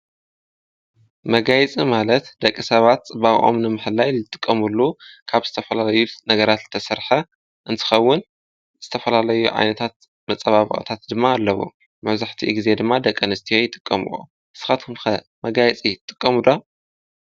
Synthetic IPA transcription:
mɐɡajɛt͡sʼimalɐt̪d̪ɐkʼːisɐβat̪t͡sʼɨbaɣ̰ʔo̰mnɨmɨħɨlːajlɨt̪ʼɨkʼːɐmulːukʰaβzɨ̥t̪ʰɐfɐlalɐjunɐɡɐɾat̪zɨt̪ʰɐsɐɾħɐ | ʔɨnt̪ʰɨ̥xɐwːʊn | z̥ɨt̪ʰɐfɐlalɐjuʕa̰jnɐt̪ʰat̪̚ | mɐt͡sʼɐβaβɨ̰χʼɨ̰t̪ʰat̪̚d̪ɨmːaːlːɐwo̰ | mɐβzaħt̪ʰiɡize̞d̪ɨmːad̪ɐkʼːɐnɨst̪ʰijo̞jɪt̪ʼɨkʼːɐmṵʔṵ | sɨ̥xat̪ʰɨmxɐ | mɐɡajɛt͡sʼit̪ʼɨkʼːɐmud̪a

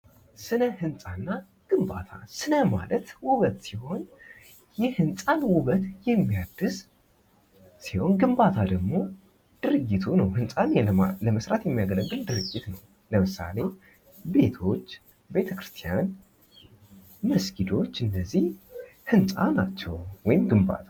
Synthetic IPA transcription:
sɨnəhɨnsʼanːa | ɡ̥ɨmba̰t̪ʰa̰sɨnəma̰lət̪wʊβət̪siho̞n | jɛhɨnsʼanwʊβət̪jɛmːijad̪ːɨs | siho̞nɡɨmbat̪ʰad̪əɡmo̞ | d̪̥ɨɾɨɡːit̪ʰunəwhɨnsʼanləməsɾat̪jɛmːijaɡələɡɨld̪ɨɾɨɡːɪt̪nəw | ləmɨsa̰le̞ | be̞t̪ʰo̞t͡ʃː | be̞t̪ʰəkɾɨst̪ʰijan | məsɡid̪o̞t͡ʃːɨnːəzːihhɨnsʼanat͡ʃːɛwwɔjɪmɡɨmba̰t̪ʰa

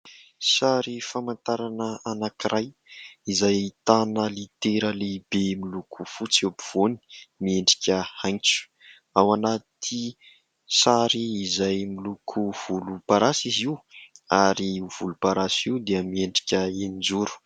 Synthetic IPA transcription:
saɾifamant̪aɾanəanakiɾaj | izajt̪anəlit̪eɾəlebemilukʰufut͡siopiv̥oni̥mieɳɖ͡ʐi̥kʲəhajnt͡su̥ | awanat̪ʰi | saɾiːzajmilukʰuv̥ulupaɾasiziwaɾiv̥ulupaɾasiwd̪iəmieɳɖ͡ʐi̥kʲəenind͡zuɾu̥

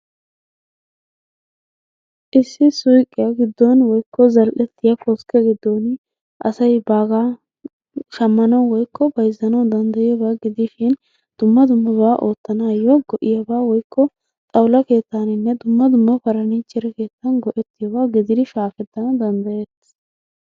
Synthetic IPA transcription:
ʔɪsːɪsʊjkʼːɪjɐɡɪd̪ːɔnwɔjkːɔzɐlʔɛt̪ːɪjɐfɔskɛɡɪd̪ːɔn | ʔɐsɐjbaːɡa | ʃɐmːɐnɐwwɔjkʰːɔbɐjzːɐnɐwd̪ɐnd̪ɐjɪjɔbaːɡɪd̪ɪʃɪn | d̪̥ʊmːɐd̪ʊmːɐbaʔo̞ːt̪ːɐnaːjɔɡ̥ɔʔɪjɐbaːwɔjkːɔ | t̪ʼɐwlɐke̞ːt̪ːanɪnːɛd̪ʊmːɐd̪ʊmːɐfɐɾɐniːt͡ʃːɪɾɛke̞ːt̪ːɐnɡɔʔɛt̪ːɪjɐbaːɡɪd̪ɪd̪ɪʃaːfɛd̪ːɐnɐd̪ɐnd̪ɐjɛt̪ː

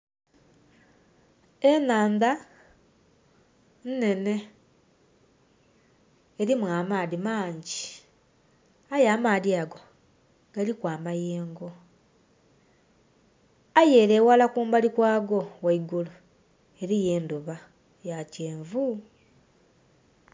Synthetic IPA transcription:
enaːnd̪a | nne̞ne̞ | eɾimwaːmaːlimaːɲɟi | ajaːmaːliaɡo̞ | ɡ̥alikwaːmajeːŋɡo̞ | ajeːleːwalakuːmbalikwaːɡo̞waiɡulu | e̞ɾije̞ːnduβa | jaceːɱvu

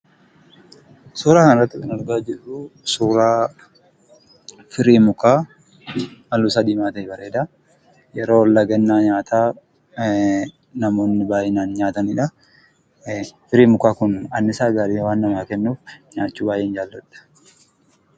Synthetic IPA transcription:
suːɾaːkɐnɪrɾɐt̪ːɪkɐnɐɾɡaːd͡ʒɪrʊsuːɾaː | fɪɾiːmʊkaː | mɐlːuːsɐd̪iːmaːt̪ɐɛbɐɾeːd̪a | jɛɾo̞ːlːaɡɛnːaːɲaːt̪ʰaː | nɐmo̞ːnːɪbaːjɛnaːnɲaːt̪ɐnɪᶑɐ | fɪɾiːmʊkaːkʊnɐnːɪsaːɡaːɾiːwaːnːɐmaːkɛnːuːfɲaːt͡ʃːuːbaːjʔeːnd͡ʒaːlːɐᶑɐ̥

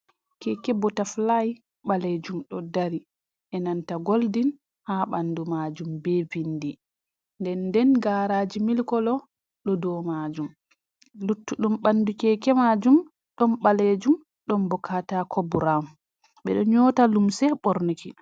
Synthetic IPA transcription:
kɛkɛbɔtaflaj | ɓaled͡ʒumɗɔdaɾi | ʔɛnantaɡoldin | haɓandumad͡ʒumbɛvindi | ndɛndɛnɡaːɾaːd͡ʒimilkɔlɔ | ɗɔdɔmad͡ʒum | lutːuɗumɓandukɛkɛmad͡ʒum | ɗɔnɓaled͡ʒum | ɗɔmbɔkʰatakʰɔbuɾam | ɓɛ̰ɗɔɲɔtalumsɛɓɔɾniki

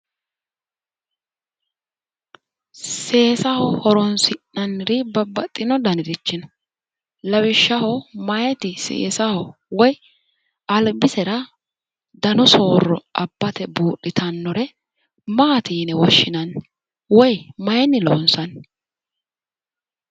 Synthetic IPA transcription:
seːsɐhɔhɔɾɔnsɪnɐnːɪɾɪbɐbɐt̪ʼːɪnɔd̪ɐnɪɾɪt͡ʃːɪn | lɐwɪʃːɐhɔmɐjɛt̪ɪsḛːsɐhɔwɔj | ɐlbɪsɛɾɐ | d̪ɐnɔso̞ːrːɔʔɐbːɐt̪ɛbuːɗɪt̪ʰɐnːɔɾɛ | maːt̪iːnɛwɔʃːɪnɐn | wɔjmɐjɛnːɪlo̰nsɐn

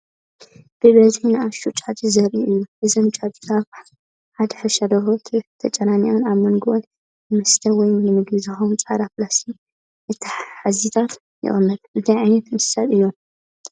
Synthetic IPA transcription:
b̥ɨβɐzɨnaʃut͡ʃʼat̪ʰʼizɐɾʔiʔɨjːuʔɨzɐmt͡ʃʼat̪ʼi̥kʰaβ | ħad̪ħɨʃɐd̪ɐhot̪ʰit̪ʰɐt͡ʃʼɐnanionaβmɐnɡɨʔon | mɐst̪ʰɐwɔjjɨmɨɡizaxomt͡sʼad̪aflasi | ʔɨt̪ʰːħħazit̪ʰat̪ | jɪ̰ʔʼɨmːɐd̪ʔɨnt̪ʰɐjʕajnɐt̪ɨnsɨ̥sat̪ɨjːon

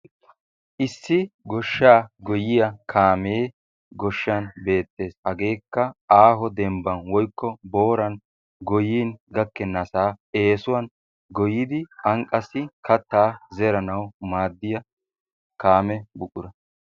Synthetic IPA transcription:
ʔɪsːɪɡɔʃːaːɡɔjɪjɐkʰaːmeː | ɡɔʃːɐnbe̞ːt̪ːe̞ːshɐɡe̞ːkːɐaːɦɔd̪ɛmbɐnwɔjkːɔbo̞ːɾɐn | ɡɔjiːnɡɐkːɛnːɐsaːe̞ːsʊwɐn | ɡɔjɪd̪ɪɐŋkʼɐsːɪkʰɐt̪ːaːzɛɾɐnɐwmaːd̪ːɪjɐ | kaːmɛbʊʔʊɾɐ

